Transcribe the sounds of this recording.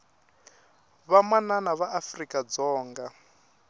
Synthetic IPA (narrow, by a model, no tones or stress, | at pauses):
βamananaβaʔafrikʼad͡zɔːŋɡa